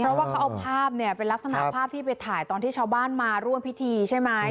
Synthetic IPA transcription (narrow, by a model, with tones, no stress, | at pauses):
ɾɔ˦˥waː˥˩kʰa˦˥wʔa˧pʰaː˥˩p̚ni˥˩ɐpe˧nlk̚sa˧na̰˨˩pʰaː˥˩p̚t̪ʰiː˥p̬a˧jt̪ʰaː˨˩˦jt̪ɔː˧nt̪iː˥˩t͡ɕʰaː˧wbaː˥˩nmaː˧ɾu˥˩əmpʰi˦˥t̪ʰiː˧t͡ɕʰa˥˩jma˦˥j